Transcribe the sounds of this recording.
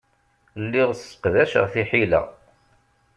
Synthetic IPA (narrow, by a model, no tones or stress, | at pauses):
lːiʁsːə̥qðæʃəʁθiħilæ̰